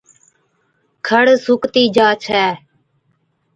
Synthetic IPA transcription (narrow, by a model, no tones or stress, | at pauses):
kʰəɽsʊkt̪iːd͡ʒaːt͡ʃʰɛː